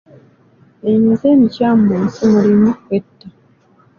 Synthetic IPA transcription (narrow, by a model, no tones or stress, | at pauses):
emizemicaːmbonsimuɾimuwetːa